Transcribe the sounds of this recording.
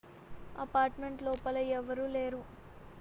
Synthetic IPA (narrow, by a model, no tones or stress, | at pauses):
ɐpaːɾʈmeɳʈlɔːpɐlɐɛʋɐɾuːle̞ːɾu